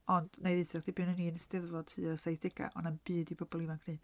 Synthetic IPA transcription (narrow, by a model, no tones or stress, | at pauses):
ɔnd̥nejðɨθɛrd̥ibiːnəniːnstɪðvɔd̥tʰɨːəsajθd̥ɪɡ̥a̰ʔɔ̰nɛnb̥ɨːdibʰəbɔlˠivaŋkʰn̥ɨː